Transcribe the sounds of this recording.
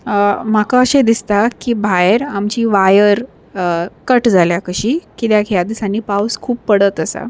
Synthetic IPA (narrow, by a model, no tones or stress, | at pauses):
m̤akaəɕed̪ist̪akiːbʱajəɾamt͡ɕiːʋajəɾ | kəʈd͡zʱaljakəɕiːkit̪jakʰjad̪isanːiːpawskʰuːppəɽət̪əsa̰